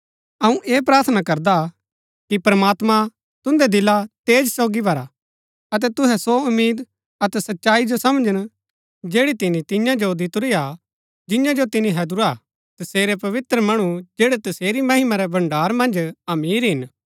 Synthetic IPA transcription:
ɐũʔeːpɾaːɾt̪ʰnakɐɾd̪a | kipɾmaːt̪mã | t̪ʊ̃nd̪ɛd̪ɪlat̪eːd͡ʒsoːɡibʱɐɾa | ɐt̪̬ɛt̪ʊɦɛsoʊmːiːd̪ | ɐt̪ɛsɐtːʃaːid͡ʒosɐmd͡ʒəñ | d͡ʒeːɽit̪ɪnĩt̪ɪ̃jãd͡ʒod̪ɪt̪ʊɾia | d͡ʒɪ̃jãd͡ʒot̪ɪnĩɦɛd̪uɾa | t̪ɐseːɾɛpɐʋɪt̪ɾəmɐɽ̃ud͡ʒeːɽɛt̪ɐseːɾimɐɦɪmaɾɛbɐ̃ɳɖaːɾmɐ̃nd͡ʒɐmiːɾɦɪn

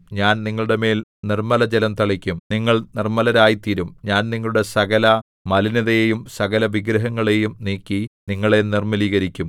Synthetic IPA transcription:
ɲaːnniŋːɐɭuɽe̞me̞ːlnirmɐlɐd͡ʑelɐmt̪ɐɭikʲːumniŋːɐɭnirmɐlɐɾaːjit̪iɾumɲaːnniŋːɐɭuɽe̞sɐɡɐlɐ | mɐliniðɐjejumsɐɣɐlɐʋiɡɾɐɦɐŋːɐɭe̞jumniːkːiniŋːɐɭe̞nirmɐliːɣɐɾikʲːum

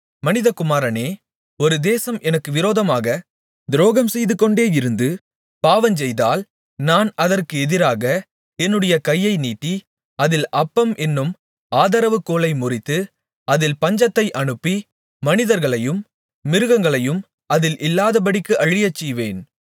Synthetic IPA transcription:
mɐnɪðɐkʊmaːɾɐneː | ɔɾɯd̪eːsɐmʔɛnɐkːɯʋɪɾoːðɐmaːɣɐ | d̪ɾoːɣɐmsɛjðɯkːɔɳɖeːɪɾɯnd̪ɯ | paːʋɐnt͡ʃɛjðaːl | naːnɐðɐrkɯɛðɪɾaːɣɐ | ɛnːɯɽɐjɐkɐjːɐɪniːʈ̪ːi | ɐðɪlɐpːɐmʔɛnːɯm | aːðɐɾɐʋɯkːoːlɐɪmʊrɪt̪ːɯ | ɐðɪlpɐɲd͡ʒɐt̪ːɐɪʔɐɳɯpːiː | ɐnɪðɐɾɣɐɭɐjɯm | mɪɾɯɣɐŋɡɐɭɐjɯm | ɐðɪlʔɪlːaːðɐp̬ɐɽɪkːɯʔɐɻɪjɐt͡ʃːɛjʋeːn

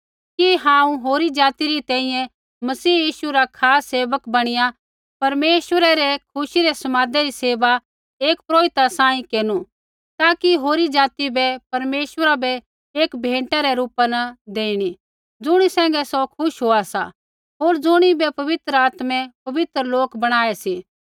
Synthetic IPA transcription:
kiɦãːũɦoːɾid͡ʒaːt̪iɾit̪ɛ̃ːĩjɛ̃ | mɐsiːjiːʃuɾakʰaːsːeːʋəkbɐɽ̃ɪja | pɐɾmeːʃwəɾɛɾɛkʰʊʃiɾɛsɐmaːd̪ɛɾiseːʋa | eːkpɾoːɪt̪asãːĩkeːnu | t̪aːkiɦoːɾid͡ʒaːt̪ibɛpɐɾmeːʃwəɾabɛ | eːkbʱẽːɳʈaɾɛɾuːpanɐd̪eːiɽ̃i | d͡zʊɽ̃isɛ̃ːŋɡɛsɔkʰʊʃɦoːasa̰ | ɦoːɾd͡zʊɽ̃ibɛpɐʋɪt̪ɾəaːt̪mɛ̃pɐʋɪt̪ɾəloːkbɐɽ̃aːɛsiː

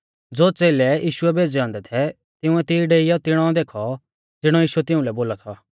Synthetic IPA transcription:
d͡zoːt͡seːlɛjiːʃʊɛbʱeːd͡zeɔ̃ːnd̪ɛt̪ʰɛ | t̪ɪʊ̃ɛt̪ɪɖeːɪjɔt̪ɪɽ̃ɔ̃d̪eːkʰɔ | d͡zɪɽ̃ɔjiːʃuɛt̪ɪũlɛboːlat̪ʰa

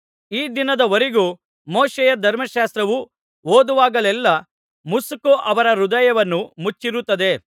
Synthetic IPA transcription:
iːd̪inɐd̪ɐʋɐɾeɡuː | moːʃɛjɐd̪ʱɐɾmɐʃaːst̪ɾɐʋu | oːd̪uʋaːɡɐlɛlːɐ | musukuʔɐʋɐɾɐɾud̪ɐjɐʋɐnːumut͡ʃːiɾut̪ːɐd̪e̞

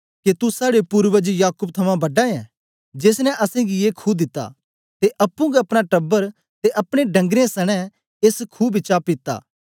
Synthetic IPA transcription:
ket̪usaːɽepʊɾʋəd͡ʒjaːkʊbt̪ʰɐmãbɐɖaɛ̃ | d͡ʒeːsnɛʔɐsẽɡieːkʰuːd̪ɪt̪ːa̰ | t̪eʔɐpːũɡɛɐpɽ̃aʈɐbːəɾ | t̪eʔɐpɽ̃eɖɐ̃ŋɡɾesɐɽ̃ɛ̃ | eːskʰuːbʱit͡ʃaːpɪt̪ːa̰ː

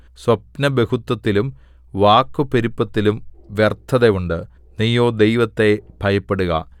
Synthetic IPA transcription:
swɐp̚nɐbe̞ɣut̪ːwɐt̪ːilum | ʋaːkːupeɾipːɐt̪ːilumʋjert̪ʰːɐðejuɳɖɨ | nijːoːd̪ejʋɐt̪ːe̞b̥ʱɐjɐpːe̞ɽuɣɐ̰

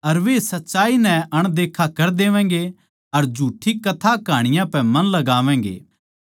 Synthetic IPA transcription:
ɐɾʋesɐtːʃaːinɛ̃ɐɽ̃d̪eːkʰakɐɾd̪eːʋɛ̃ːɡe | ɐɾd͡ʒʱuːʈʰːikɐt̪ʰakaːɽ̃ɪjãpɛmɐnlɐɡaːʋɛ̃ːɡḛː

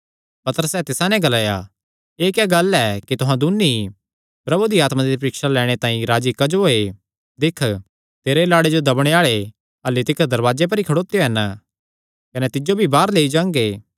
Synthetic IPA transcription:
pɐt̪əɾəsɛːt̪ɪsãnɛ̃ɡɐlaːja̰ | eːkɛɡɐlɛkit̪ʊɦãd̪ʊnːi | pɾɐbud̪iaːt̪mad̪ipɾiːkʃalɛːɽ̃et̪ãːĩɾaːd͡ʒikɐd͡ʒoe | d̪ɪkʰ | t̪eːɾelaːɽed͡ʒod̪ɐbɽ̃eaːɭe | ɐlːet̪ɪkʰd̪ɐɾʋaːd͡ʒep̬ɐɾikʰɐɽoːt̪ejoɦɛn | kɐnɛt̪ɪd͡ʒobʱibaːɾleːid͡ʒãːŋɡeː

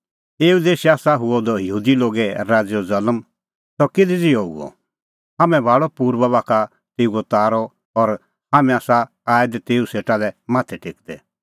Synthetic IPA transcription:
eːud̪eːʃiaːsaɦʊɔd̪ɔjəɦuːd̪iloːɡɛɾaːd͡zjɔzɐləm | sɔkɪd̪id͡ziɔṵɔ̰ | haːmɛ̃bʱaːɭɔpuːɾbɐbaːkʰa | t̪eːuɔt̪aːɾɔ | ɔɾ | haːmɛ̃aːsa | aːjd̪ɛt̪eːuseːʈalɛmaːt̪ʰɛʈʰekd̪ɛ̰

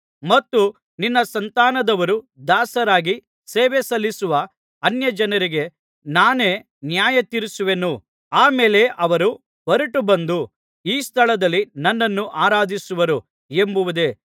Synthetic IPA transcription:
mɐt̪ːu | ninːɐsɐnt̪aːnɐd̪ɐʋɐɾu | d̪aːsɐɾaːɡi | seːʋesɐlːisuʋɐ | ɐnjɐd͡ʒɐnɐɾiɡe̞ | naːne̞ː | njaːjɐt̪iɾisuʋe̞nu | aːmeːle̞ʔɐʋɐɾu | bɐɾuʈubɐnd̪u | iːst̪ʰɐɭɐd̪ɐlːinɐnːɐnːuʔaːɾaːd̪isuʋɐɾu | embuʋud̪e̞

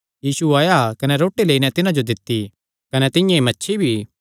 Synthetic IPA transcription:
jiːsuaːjakɐnɛɾoːʈːileːinɛt̪ɪnãd͡ʒod̪ɪt̪ːi | kɐnɛt̪ɪ̃jãimɐtːʃʰibʱi

